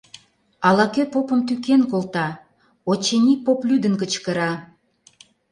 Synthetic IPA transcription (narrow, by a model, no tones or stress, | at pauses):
ɑlɑkøpopə̆mt̪ykenkolt̪ɑ | ot͡ɕenʲipoplyd̪ə̆nkət͡ɕkə̆ɾɑ